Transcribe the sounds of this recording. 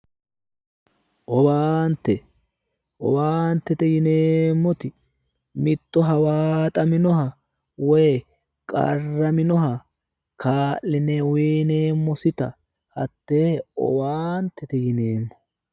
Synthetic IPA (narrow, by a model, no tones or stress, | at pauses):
ʔɔwaːnt̪ːɛ | ʔɔ̰waːnt̪ːɛt̪ɛjɪneːmːɔt̪ɪ | mɪt̪ːɔɦɐwaːt̪ʼɐmɪnɔɦɐ | wɛj | kʼɐ̰rːɐmɪnɔɦɐ | kʰaːʔːɪneːweːneːmːɔsɪt̪ɐ̰ | hɐt̪ːeːɔ̰waːnt̪ːɛt̪ɛjɪneːmːɔ̥